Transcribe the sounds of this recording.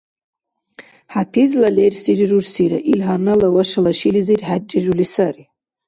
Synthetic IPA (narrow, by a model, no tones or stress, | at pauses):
ħapʰizlalersirirursiɾa̰ʔilɦarnalawaʃalaʃilizirħat͡ʃʼːirulisari